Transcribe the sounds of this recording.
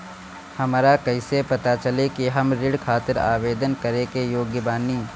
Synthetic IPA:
hɐmːɾakɐɪsepɐt̪at͡ʃɐlekiɦɐmɾɪɽkʰaːt̪ɪɾa̰ːʋeːd̪ənkɐɾẽkejoːɡjəbaːniː

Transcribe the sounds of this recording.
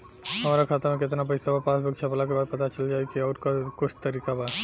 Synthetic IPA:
ɦɐmaːɾakʰaːt̪amẽk̬ɪt̪nabəisəbapaːsbəkt͡ʃʰapəlak̬ebaːd̪̚pɐt̪at͡ʃəld͡ʒaːekiɔːɾkkʊt͡ʃʰt̪əɾiːkaba

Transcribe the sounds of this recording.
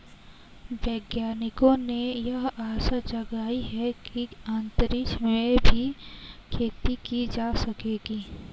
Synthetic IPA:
ʋɛːɡjaːnɪkõnejɐɦaːsad͡ʒɐɡaːiɦɛkiaːnt̪əɾɪʃmẽbʱikʰeːt̪ikid͡ʒaːsɐkeːɡiː

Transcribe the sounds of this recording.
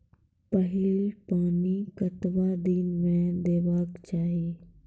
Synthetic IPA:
pəɦɪlpaːnikət̪ʋad̪inmẽd̪eːʋaːkt͡ʃaːɦie

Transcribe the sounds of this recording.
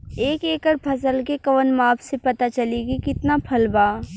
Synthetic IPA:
eːkeːkəɾpʰɐsəlkekɐʋənmaːpʰsepɐt̪at͡ʃɐliːɡikɪt̪napʰɐlbaː

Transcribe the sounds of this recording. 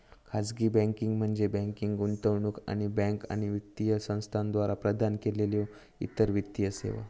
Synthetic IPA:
kʰad͡zɡiːbɛ̃ŋkiŋɡm̤əɳd͡zebɛ̃ŋkiŋɡɡunt̪əʋɳuːka̰ɽ̃ibɛ̃ŋka̰ɽ̃iʋit̪ːijəsə̃w̃st̪ʰand̪ʋaɾapɾəd̪ʱankeleljo | ḭt̪əɾʋit̪ːijəsḛʋa̰

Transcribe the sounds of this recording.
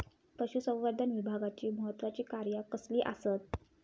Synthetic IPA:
pəɕusə̃wʋəɾd̪ʱənʋibʱaɡat͡ɕiːməɦət̪ːʋat͡ɕiːkaɾjakəsliːʔasət̪̚

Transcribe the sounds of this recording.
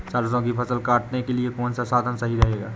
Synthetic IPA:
saːɾsõkipʰɐsəlkaːʈnekeliekoːnsasaːd̪ʱənsɐɦiɾɐɦeːɡa̰ː

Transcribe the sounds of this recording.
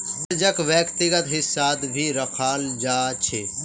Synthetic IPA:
t̪d͡ʒəkʋjəkt̪ɪɡət̪ɦɪsːaːd̪bʱiːɾəkʰaːld͡ʒaːt͡ʃʰe

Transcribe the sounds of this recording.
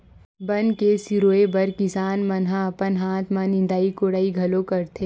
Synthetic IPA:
bɐnkesiɾoːebɐɾkɪsaːnmɐnɦãɐpənɦaːt̪ʰmãnɪ̃nd̪aːikoɽaːiɡʱɐlokɐɾt̪ʰeː

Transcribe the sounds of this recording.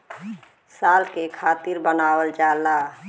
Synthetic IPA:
saːlkekʰaːt̪ɪɾbənaːwəld͡ʒaːla

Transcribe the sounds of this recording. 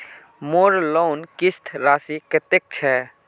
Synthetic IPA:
moːɾloːnkɪst̪ʰɾaːsikət̪ek̚t͡ʃʰɛ

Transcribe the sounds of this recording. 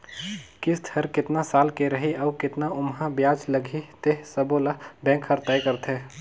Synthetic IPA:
kɪst̪ʰəɾkɪt̪nasaːlkeɾəɦiɔːkɪt̪naʊmɦãbjaːd͡ʒləɡʱit̪eɦsəbolabɛ̃ːkɦəɾt̪ajkəɾt̪ʰe

